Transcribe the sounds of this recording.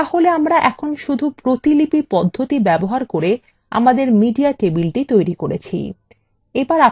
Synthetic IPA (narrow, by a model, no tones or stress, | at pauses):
aholeamɾaʔɛkʰonʃud̪ʱupɾot̪ilipipɔd̪ʱːot̪ibɛboɦaɾkoɾe | a̰mad̪eɾmiɖiaʈebilʈit̪ojɾikoɾet͡ɕʰḭ | ebaɾa